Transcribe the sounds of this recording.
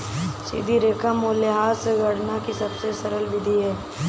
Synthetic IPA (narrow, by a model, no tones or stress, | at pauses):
sḭːd̪ʱiɾeːkʰamoːljeɦaːseɡʱɐɽnakisɐbsesɐɾəlʋɪd̪ʱiɦɛː